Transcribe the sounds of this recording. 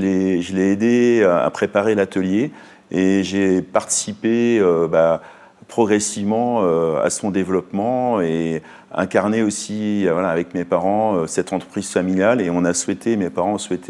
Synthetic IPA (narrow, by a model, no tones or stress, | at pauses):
əlɛʒəlɛed̪ea̰pχepaʁelat̪əlje | eʒepaʁt̪i̥sipeøba | pχɔɡʁɛsivmɑ̃øa̰sɔ̃d̪evlɔpmɑ̃e | ɛ̃kaʁneosiavwalaːvɛkmepaʁɑ̃øsɛt̪ɑ̃t̪χəpχiz̥familjaleɔ̃naswɛt̪ʰemepaʁɑ̃swɛt̪ʰe